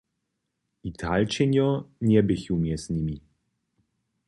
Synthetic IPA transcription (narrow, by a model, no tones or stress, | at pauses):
it̪ʰalt͡ɕɛɲʲɔɲɛbɪxiwmʲjɛzɲʲimʲi